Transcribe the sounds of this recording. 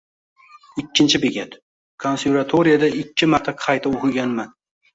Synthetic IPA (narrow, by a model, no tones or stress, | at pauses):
ɪkʲːɪnt͡ʃʰɪbeɡʲat̪ | kʰonsevat̪ʰoɾɪijad̪aɪkʲːɪmaɾt̪ʰaqʰɑjt̪ʰaoqɨɡʲanman